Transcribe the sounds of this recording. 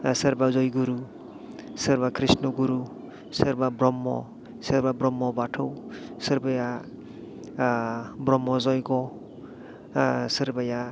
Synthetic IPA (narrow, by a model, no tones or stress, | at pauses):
səɾbazɔjɡuɾu | sʌɾbakʰɾisnɔɡuɾu | səɾbabɾɔmːɔ̰ | səɾbabɾɔmːɔbaʈʰɔwsʌɾbaja | bɾɔmːɔzɔjɡɔ | sʌɾbaja